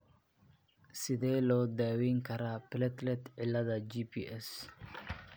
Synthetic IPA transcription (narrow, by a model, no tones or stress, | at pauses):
sɪd̪ɛːlɔːd̪aːwiːŋkʰɐɾaːpɪlɛt̪lɛt̪ʕɪlːɐðɐd͡ʒipʰḭːʔɛs